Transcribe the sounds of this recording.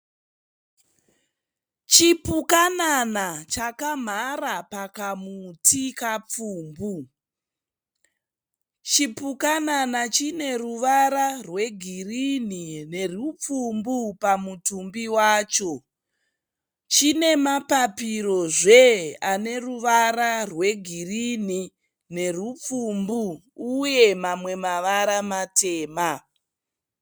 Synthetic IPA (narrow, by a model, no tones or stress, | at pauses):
t͡ʃipukananat͡ʃakam̤aɾapakamutʰikap͡fuːmbu | t͡ʃipukananat͡ʃine̞ruʋaɾarwe̞ɡʱirinine̞rup͡fumbupamutumbiwaːt͡ʃo̞ | t͡ʃine̞mapapiɾo̞ʐe̞ane̞ruʋaɾarwe̞ɡʱirini | ne̞rup͡fumbuː | je̞mamwe̞maʋaɾamatʰe̞ːma